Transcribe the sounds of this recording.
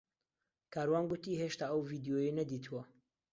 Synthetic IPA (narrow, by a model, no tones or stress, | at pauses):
kʰaːɾwaːnɡut̪iheːʃt̪aːʔɐwviːd̪ijoːjenɐd̪iːt̪ʰuwɐ